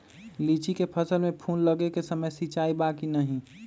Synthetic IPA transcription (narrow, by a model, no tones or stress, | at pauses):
liːt͡ʃikepʰəsəlmẽpʰuːnləɡekesəməjsit͡ʃaːibaːkinɐɦĩ